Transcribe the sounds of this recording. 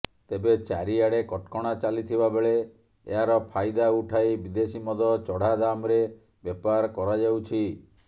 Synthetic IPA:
t̪ebet͡ʃaɾiaɽekɔʈkɔɽ̃at͡ʃalit̪ʰibabeɭe | eɦaɾɔpʰajd̪auʈʰajbid̪esimɔd̪ʱɔt͡ʃɔɽ̤ad̪amɾe | bjepaɾkɔɾad͡ʒawt͡ʃʰi

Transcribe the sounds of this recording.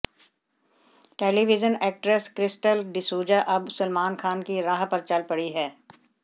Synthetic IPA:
ʈeːliʋɪd͡ʒənɛːk̚ʈɾeskɾɪsʈəlɖɪsuːd͡ʒaʔɐbsʊlmaːnkʰaːnkiɾaːɦpɐɾt͡ʃɐlpɐɽiɦɛː

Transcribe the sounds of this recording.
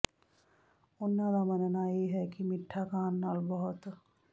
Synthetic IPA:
ʊnːad̪amɐnnajeːɦɛkimɪʈʰːakaːnːaːlbɔɦʊt̪

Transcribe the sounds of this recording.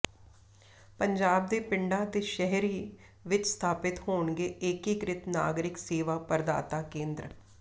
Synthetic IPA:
pəɲd͡ʒaːb̚d̪eːpɪɳɖaːt̪eːʃɛɦɾiː | ʋɪt͡ʃst̪ʰaːpɪt̪hoːɳɡeːɪkikɾɪt̪na̰ːɡɾɪkseːʋaːpəɾd̪a̰ːt̪aːkẽːnd̪ɾə

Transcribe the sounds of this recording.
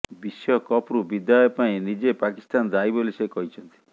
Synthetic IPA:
bisjɔkɔpɾubid̪jaɔepaĩnid͡ʒepakist̪and͡ʒajbolisekɔɦit͡ʃʰɔnt̪i̥

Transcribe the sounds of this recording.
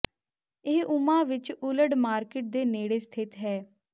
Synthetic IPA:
ɪːʊmãːʋɪt͡ʃʊləɖmaːɾkɪʈ̚d̪eːneːɽeːst̪ʰɪt̪ɦɛː

